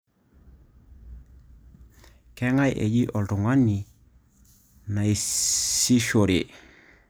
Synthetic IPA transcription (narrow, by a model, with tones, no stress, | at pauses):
kɛ˦ŋa˦jʔḛ˨d͡ʒi˦ʔɔ˨ltu˨ŋwa˦ni˨ | na˨i˨si˦ʃo˨ɾe˨